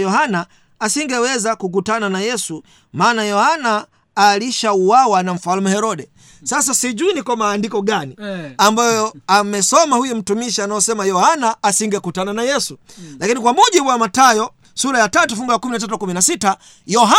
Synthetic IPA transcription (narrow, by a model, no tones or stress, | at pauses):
jɔhanaː | siŋɡɛwɛzakuk̬utananajɛsu | maːnajɔhanaː | liʃauwawanam̩falumɛhɛɾɔɗɛ | sas̬asiʄuinikwamaːndikɔɡaniambajɔɔamɛsɔmahujum̩tumiʃianajɔsɛmajɔhanaːsiŋɡɛkutananajɛsulakinikwamuʄiɓuwamatajɔ | suɾajatatufuŋɡujakuminat̬at̬ukuminasita | jɔɦa